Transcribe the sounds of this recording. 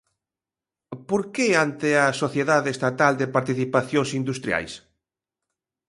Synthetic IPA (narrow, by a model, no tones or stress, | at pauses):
poɾkeant̪ɪɐsoθjeðaðeest̪at̪ald̪epaɾt̪iθipaθjoŋsind̪ust̪ɾja̰js